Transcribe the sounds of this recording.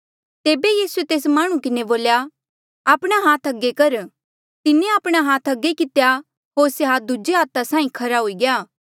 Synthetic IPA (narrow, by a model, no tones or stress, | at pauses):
t̪eːbejiːsuet̪eːsmaːɽ̃ũkɪneboːlja | aːpɽ̃aɦaːt̪ʰɐɡːekɐɾ | t̪ɪnẽaːpɽ̃aɦaːt̪ʰɐɡekɪt̪ja | ɦoːɾseɦaːd̪ʊd͡ʒeɦaːt̪asãːĩkʰɐɾaɦoiɡɪjaː